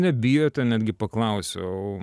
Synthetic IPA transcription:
nʲɛbʲiːjoːt̪ʲɛnʲæːd̪ʲɡʲɪpɐklˠɐʊsʲo̰oʊ

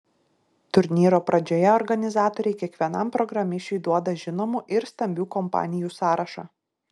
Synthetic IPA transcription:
t̪ʊɾʲnʲiːɾoːpɾɐd͡ʒʲoːjɛɔɾɡɐnʲɪzɑːt̪ɔːɾʲɛɪkʲiɛkʋʲiɛnɐmpɾɔɡɾɐmʲɪʃʲt͡ʃʲʊɪd̪uɔd̪ɐʒʲɪnoːmuːʔɪɾst̪ɐmʲbʲuːkɔmpɑ̰ːnʲɪjuːsɑːɾɐʃɑː

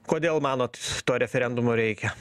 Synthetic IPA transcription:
koːd̪ʲeːlˠmɑːnoːt̪t̪oːɾʲɛfʲɛɾʲɛnd̪ʊmoːɾʲɛɪkʲɛ

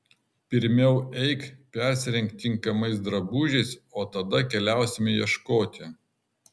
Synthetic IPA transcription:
pʲɪɾʲmʲɛʊɛɪkpʲɛɾʲsʲɪɾʲɛŋʲkt̪ʲːɪŋkɐmɐɪsd̪ɾɐbuːʒʲɛɪsoːt̪ɐd̪ɐkʲɛlʲæˑʊsʲɪmʲɪjiɛʃkoːt̪ʲɪ

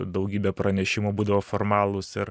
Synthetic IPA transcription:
d̪ɐʊɡʲiːbʲɛpɾɐnʲɛʃʲɪmuːbuːd̪ɐʋoformɑːlˠʊsɪɾ

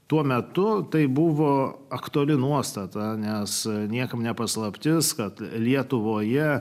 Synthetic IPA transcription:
t̪uɔmʲɛt̪ʊt̪ɐɪbʊʋoːɐkt̪uɐlʲɪnuɔst̪ɐt̪ɐnʲɛsnʲiɛkɐmnʲɛpɐslˠɐpʲt̪ʲɪskɐt̪lʲiɛt̪ʊʋoːjɛ

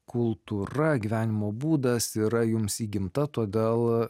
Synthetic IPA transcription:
kʊlˠt̪uɾɐɡʲiʋʲæːnʲɪmoːbuːd̪ɐsiːɾɐjʊmsiːɡʲɪmt̪ɐt̪oːd̪ʲeːlˠ

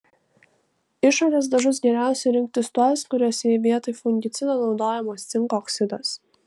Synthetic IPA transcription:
ɪʃɔɾʲes̬d̪ɐʒʊs̬ɡʲɛɾʲæˑʊsʲɛɾʲɪŋk̚t̪ʲɪsʲt̪uaːskʊɾʲuɔːsʲɛʋʲiɛt̪ɨjfʊŋʲɡʲɪt̪sʲɪd̪ɐnɔʊd̪oːjɛmɔst̪sʲɪŋkɔksʲɪd̪ɐs

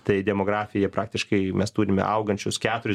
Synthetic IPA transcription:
t̪ɐɪd̪ʲɛmoːɡɾɑːfʲɪjɛpɾɑːk̚t̪ʲɪʃkɐɪmʲɛst̪uːɾʲɪmʲɛ̰ʔɐʊɡɐnʲt͡ʃʲʊskʲæːt̪ʊɾʲ

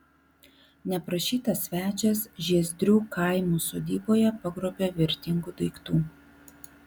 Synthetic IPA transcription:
nʲɛpɾɐʃʲiːt̪ɐsʲʋʲæːt͡ʃʲɛsʒʲiɛzʲd̪ʲɾʲuːkɐˑɪmuːsoːd̪ʲiːboːjɛpɐɡɾoːbʲoːʋʲɪɾʲt̪ʲɪŋɡuːd̪ɐɪkt̪uː

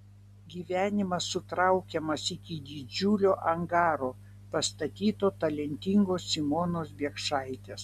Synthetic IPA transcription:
ɡʲiːʋʲæːnʲɪmɐsːʊt̪ɾɐʊkʲɛmɐsɪkʲɪd̪ʲɪd͡ʒʲuːlʲoːʔɐŋɡɑːɾoː | pɐst̪ɐt̪ʲiːt̪oːt̪ɐlʲɛnʲt̪ʲɪŋɡoːsːʲɪmoːnoːsbʲiɛkʃɑɪt̪ʲeːs

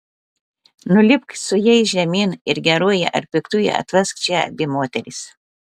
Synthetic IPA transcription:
nʊlʲɪpksʊjɛɪʒʲɛmʲiːnɪɾɡʲɛɾuɔjɛ̰ʔɐ̰ɾpʲɪkt̪ujɛ̰ɐ̰t̪ʲʋɐskt͡ʃʲɛɐ̰bʲɪmoːt̪ʲɛɾʲɪs

